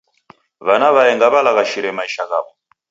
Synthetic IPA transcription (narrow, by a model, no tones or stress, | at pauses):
βanaβaɛŋɡaβalakaʃiɾɛmaiʃakaːβɔ